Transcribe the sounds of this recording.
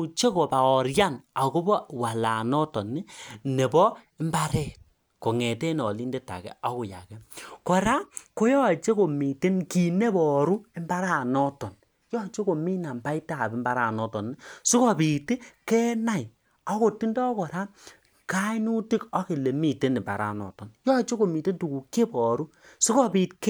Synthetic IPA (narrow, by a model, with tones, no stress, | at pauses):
t͡ʃe˦ko˨pa˨ɔ˨ɾja˦˨na˨ko˦bɔ˦wa˨la˨nɔ˦tɔ˨nːi˦ne˨bɔ˦i˦mba˦ɾɛ˦˨t̚ | ko˨ŋɛ˨te˦nɔ˨li˦nde˦ta̰˨kɛ̰˨a˦ko˨ja̰˨kɛ˦kɔ˨ɾa˦ko˦jɔ˦˨t͡ʃe˦ko˨mi˨te˦nki˨ne˦bɔ˨ɾu˦e˦mba˦ɾa˦˨nɔ˦tɔ˨n | jɔ˦˨t͡ʃe˦ko˨mi˦na˨mba˦i˦ta˦˨bi˨˦mba˦ɾa˦˨nɔ˦tɔ˨nː˦su˦kɔ˨pi˨tkɛ˦na˦˨j | ɔ˦ko˨ti˦ndɔ˦kɔ˨ɾa˦ | ka˦i˦nu˦ti˦kɔ˦ke˨le˨mi˨te˦ne˨mba̰˨ɾa̰˨nɔ̰˨tɔ˨njɔ˦˨t͡ʃe˦ko˨mi˨te˦ntu˨ku˨ke˦pɔ˨ɾu˦ | su˦kɔ˦pi˨tk